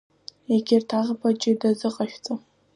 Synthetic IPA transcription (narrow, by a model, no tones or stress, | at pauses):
eɡʲɪrtʰaʁapʰat͡ʃʼɪdazɨqʼaʃᶣt͡sʼo